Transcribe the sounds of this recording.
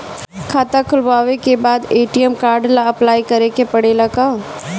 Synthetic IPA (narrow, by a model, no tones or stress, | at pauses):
kʰaːt̪akʰʊlʋaːʋekebaːd̪eːʈijəmkaːɾɖlaɐplaːikɐɾekepɐɽeːlakaː